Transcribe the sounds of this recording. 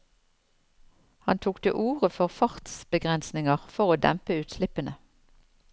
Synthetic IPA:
hɑnt̪ʰuːkt̪ʰə̰ʔuːʁəfɔʁfɑʁt̪sbəɡʁɛnsnɪŋəʁfɔʁoːd̪ɛ̰mpəʉːt̪slɪpənə

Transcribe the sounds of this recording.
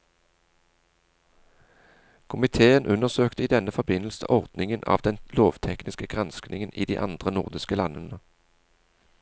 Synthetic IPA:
kʰʊmɪt̪ʰeːənʔʉnəʁsøːkt̪əiːd̪ɛnəfɔʁbɪnəl̩sə̰ʔɔʁd̪nɪŋənʔɑ̰ːʋd̪ɛnloːʋt̪ʰɛknɪskəɡʁɑnsknɪŋənḭːd̪ḭːʔɑ̰nd̪ʁənʊʁd̪ɪskəlɑnənə

